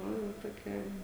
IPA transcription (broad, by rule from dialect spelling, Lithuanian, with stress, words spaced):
ˈnʊ jɛʊ toːˈkʲɛ